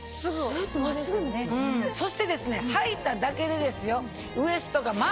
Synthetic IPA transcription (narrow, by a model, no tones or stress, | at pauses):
sɨɡoɡɯnẽso̞ɕi̥t̪e̞d̪e̞sɨne̞hait̪ad̪ake̞d̪e̞d̪e̞sɨjo̞ | ɯ̟e̞sɨ̥t̪o̞kama